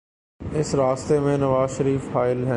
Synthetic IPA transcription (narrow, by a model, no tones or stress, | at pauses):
ɪsɾaːst̪emẽnɐʋaːzʃəɾiːfhaːɪlɦɛ̃